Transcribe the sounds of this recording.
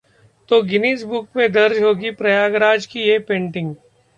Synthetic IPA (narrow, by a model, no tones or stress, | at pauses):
t̪oɡɪneːsbʊk̚mẽd̪ɐɾd͡ʒɦoːɡipɾɐjaːɡɾaːd͡ʒkieːpẽːɳʈɪ̃ŋɡ